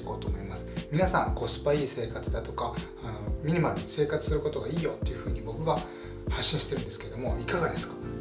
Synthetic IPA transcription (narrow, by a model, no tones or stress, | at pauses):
ko̞ːt̪o̞ːmo̞imasɨ̥mʲinasãŋko̞sɨ̥paiːse̞ːkat͡sɨd̪at̪o̞kaː | no̞mʲiɲ̟imaɾɯ̟se̞ːkat͡sɨ̥sɨɾɯ̟ko̞t̪o̞ɡaiːjo̞t̪ːe̞iɯ̟ɸɯ̟ːɲ̟ibo̞kɯ̟ɡa | haɕːĩɕi̥t̪e̞ɾɯ̟̃nd̪esɨ̥keɾe̞d̪o̞mo̞ikaɡad̪e̞sɨ̥kḁ